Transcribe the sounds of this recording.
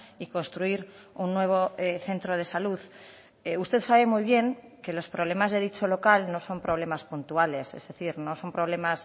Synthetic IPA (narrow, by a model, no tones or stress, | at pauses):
iko̞nst̪ɾuiɾ | unːwe̞β̞o̞eθe̞nt̪ɾoð̞e̞saluð | eust̪e̞θsaβe̞mujβ̞je̞ŋke̞lo̞spɾoβle̞mazðe̞ð̞it͡ʃo̞lo̞kalno̞so̞mpɾo̞β̞le̞maspunt̪uale̞se̞̰zðe̞θiɾno̞so̞mpɾo̞β̞le̞mas